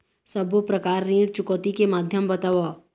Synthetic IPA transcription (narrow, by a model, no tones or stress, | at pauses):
səbopɾəkaːɾniːɽt͡ʃʊkɔːt̪ikemaːd̪ʱjəmbɐt̪aːʋaː